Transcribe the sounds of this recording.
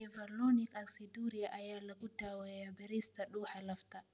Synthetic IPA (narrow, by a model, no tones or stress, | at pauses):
ɛvalonikʼaksiduɾijaʔajalaɡʊdawejabɛɾist̪aɗuːhalɐfta